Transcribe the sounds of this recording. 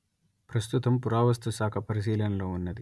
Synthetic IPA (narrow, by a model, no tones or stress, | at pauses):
pɾɐst̪ut̪ɐmpuɾaːʋɐst̪ʰɐsaːkʰɐpɐɾis̬iːlɐnɐlo̞ːunːɐd̪i